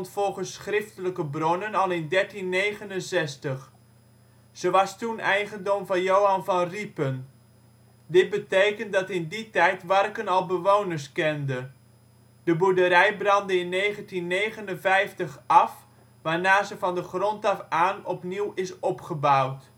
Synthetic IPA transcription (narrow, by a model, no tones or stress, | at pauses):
ntfɔlˠχəsːχrɪftələkəbrɔnənɑlˠɪndɛɹtinːejχənənzɛstəχ | z̥əʋɑstunɛjχəndɔmvɑnjowɦɑnvɑnripən | dɪd̚bətejkəntdɑtɪnditɛjtʋɑrkənɑlˠbəʋownəɹskɛndə | d̥əbudəɾɛjbrɑndəɪnːejχəntinːejχənənvɛjftəχɑf | ʋaːɹnaːzəvɑndəχrɔntɑfaːnɔpniwɪsɔpχəbawt